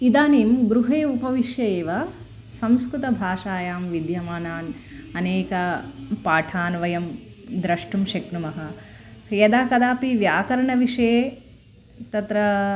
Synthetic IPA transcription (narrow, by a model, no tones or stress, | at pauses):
id̪aːneːmɡɾuɦeːupɐʋiʃjɐeːʋɐ | sɐmskɾut̪ɐbʱaːʂaːjaːmʋid̪jɐmaːnaːnɐneːkɐpaːʈʰaːnʋɐjɐmd̪ɾɐʂʈumʃɐkɳumɐɦɐ | jɐd̪aːkɐd̪aːpiʋjaːkɐɾɐɳɐʋiʂeː | t̪ɐt̪ɾɐ